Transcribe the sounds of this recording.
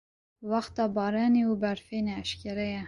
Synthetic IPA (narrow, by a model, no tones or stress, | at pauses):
wɑxt̪ɑːbɑːɾɑːneubɛɾfeːnɛːʃkʲɛɾɛjɛ